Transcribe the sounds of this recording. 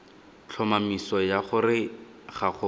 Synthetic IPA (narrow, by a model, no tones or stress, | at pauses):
t͡ɬʰɔmamisɔjaχʊrɪ | χaχʊ